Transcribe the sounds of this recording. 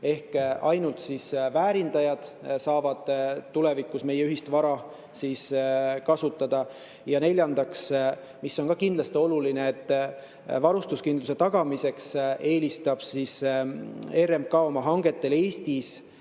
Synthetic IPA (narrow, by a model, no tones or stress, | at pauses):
e̞hkʔɑjnult̪sisvæːɾind̪ɑjɑd̪̥sɑːvɑd̪̥ule̞vikˑusme̞jeyɦist̪vɑɾɑ | siskɑsut̪ːˑɑd̪̥ɑ | jɑne̞lʲjɑnd̪̥ɑks | misːo̞nkɑkind̪lɑst̪io̞lulineet̪ː | vɑɾust̪uskind̪luse̞t̪ɑɡ̥ɑmise̞kse̞ːlist̪ɑb̥sis | e̞ɾe̞m̚kɑːo̞mɑɦɑŋɡ̥e̞t̪ːˑe̞le̞ːst̪is